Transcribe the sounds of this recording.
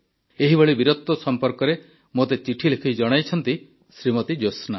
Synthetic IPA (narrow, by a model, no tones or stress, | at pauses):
eɦibɔɭibiɾɔt̪ːɔsɔmpɔɾkɔɾe | mot̪et͡ʃiʈʰilekʰijd͡ʒɔɽ̃ajt͡ʃʰɔnt̪i | sɾimɔt̪id͡ʒosna